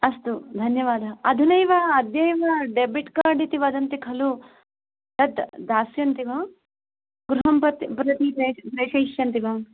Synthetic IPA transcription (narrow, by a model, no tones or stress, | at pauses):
ɐst̪ud̪ʱɐnjɐʋaːd̪ʱɐɐd̪ʱinɐjʋaɐd̪jɐjʋaɖebiʈkaːɾɖit̪iʋɐd̪ʱɐnt̪ikʰɐlu | t̪ɐt̪d̪aːsjɐnt̪iʋɐm | ɡɾuɦɐmpɐt̪pɾɐt̪ipɾepɾeːʃɐjʃjɐnt̪iʋɐm